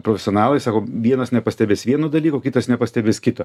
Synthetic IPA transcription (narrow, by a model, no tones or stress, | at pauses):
pɾoːfʲɛsʲɪoːnɑːlˠɐɪsɑːkoːʋʲiɛnɐsnʲɛpɐsʲt̪ʲɛbʲeːsʋʲiɛnoːd̪ɐlʲiːkoːkʲɪt̪ɐsnʲɛpɐsʲt̪ʲɛbʲeːskʲɪt̪ɐː